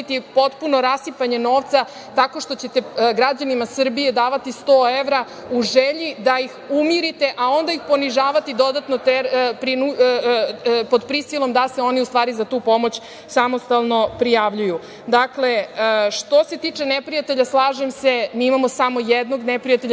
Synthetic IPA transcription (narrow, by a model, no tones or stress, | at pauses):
it̪ipo̞t̪puno̞ɾasipaɲe̞no̞ːʋt̪sa | t̪ako̞ʂt̪o̞t͡ɕe̞t̪eɡɾad͡ʑanimasr̩bije̞d̪aːʋat̪ist̪oeʋɾa | uʒeʎid̪ajixumiɾit̪e̞ʔao̞nd̪aixpo̞niʒaːʋat̪id̪o̞d̪at̪not̪epɾinu | po̞d̪pɾisilˠo̞md̪aseo̞niust̪ʋaːɾizat̪uːpo̞mo̞t͡ɕ | samo̞st̪alˠno̞pɾijaʋʎuju | d̪akle̞ʂt̪o̞se̞t̪iːt͡ʂenepɾijat̪e̞ʎaslˠaːʒemsemiimamo̞samo̞jed̪no̞ɡnepɾijat̪eʎ